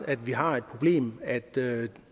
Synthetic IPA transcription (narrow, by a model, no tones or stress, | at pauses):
æd̥ʋiɦɑ̈e̝d̥̚pʰʁo̝b̥le̝̰ːmæd̥ø